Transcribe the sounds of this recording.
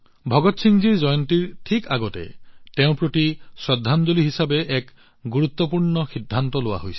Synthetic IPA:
bʱɔɡɔt̪sʰiŋd͡ʒiɹd͡ʒɔjɔntiɹʈʰikaɡɔtḛteʊ̃pɹotisɹɔd̪ʱːand͡ʒoliɦisabeʔɛk | ɡuɾut̪ːɔpuɹɳɔxid̪ʱːant̪ɔlowa̰ɦojsʰi̥

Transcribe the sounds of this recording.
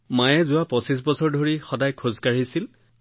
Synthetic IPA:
majɛzʊwapɔsis̬bɔsɔɹdʱoɹixɔdajkʰozkaɹisil

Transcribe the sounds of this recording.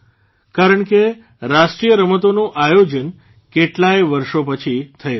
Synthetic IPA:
kaɾəɳke | ɾaʃʈɾijəɾəmət̪onũʔajod͡ʒən | keʈlajʋəɾʃopət͡ʃʰit̪ʰəe

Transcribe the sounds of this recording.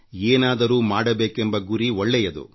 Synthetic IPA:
eːnaːd̪ɐɾuːmaːɽɐbeːkembɐɡuɾiɔɭːɛjɐd̪ṵ

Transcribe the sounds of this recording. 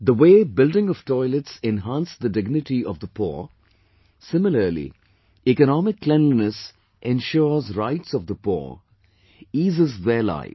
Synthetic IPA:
d̪əweːbɪlɖɪ̃ŋɔʋtɔɪləʈsɛ̃nɦãnsd̪ədɪɡnɪʈiɔvd̪əpɔ̰ | sɪ̃mɪləlḭ | ikənɔmɪkːlɛ̃nlinəs | ʔɛ̃nʃɔːzɾaɪʈsɔvd̪əpɔ̰ | iːzəzðeːla̰ɪ

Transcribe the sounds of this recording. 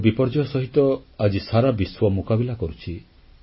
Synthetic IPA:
bipɔɾd͡ʒɔjɔsɔɦit̪ɔad͡ʒisaɾabiswɔmukabilakɔɾut͡ʃʰi

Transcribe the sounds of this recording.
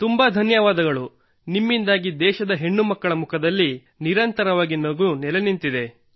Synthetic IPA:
t̪umbɐd̪ʱɐnjɐʋaːd̪ɐɡɐɭu | nimːind̪aːɡid̪ɛːʃɐd̪ɐɦe̞ɳːumɐkːɐɭɐmukʰɐd̪ɐlːi | niɾɐnt̪ɐɾɐʋaːɡinɐɡuunɛlenint̪id̪e̞

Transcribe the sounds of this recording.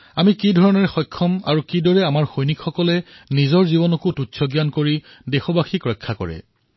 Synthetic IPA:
amikidʱɔɹɔnɔɹɛxɔjkʰːɔma̰ɹukidɔɹɛamaɹxojnikxɔkɔlɛnizɔɹzibɔnɔkututsʰɔɡjankoɹi | dexɔbaxikɹɔjkʰːakɔ̰ɹɛ̰

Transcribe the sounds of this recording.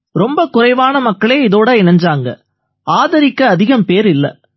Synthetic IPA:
ɾɔmbɐkʊɾɐɪʋaːnɐmɐkːɐɭeːɪðoːɽɐɪnɐɲd͡ʒaːŋɡɐ̰ | aːðɐɾɪkːɐːðɪɣɐmpeːɾɪlːɐ̰

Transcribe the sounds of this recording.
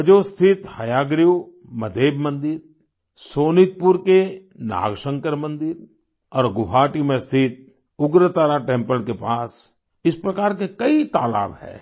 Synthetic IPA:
d͡ʒoːst̪ʰɪt̪hɐjaːɡɾiu | mɐd̪ʱeːbmə̃nd̪ɪɾ | soːnɪt̪̚pʊɾkena̰ːɡʃə̃ŋkəɾmɐ̃nd̪ɪɾ | ɔːɾɡʊɦaːʈimẽst̪ʰɪt̪̚ | ʊɡɾət̪aːɾaʈẽːmpəlkepaːs | ɪspɾɐkaːɾkekɐit̪aːla̰ːbhɛ̰ː

